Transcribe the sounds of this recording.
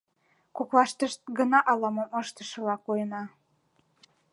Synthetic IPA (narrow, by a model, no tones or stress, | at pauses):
koklɑʃt̪əʃt̪̚ɡənɑʔɑlɑməməʃt̪ə̥ʃɤ̆lɑkojənɑ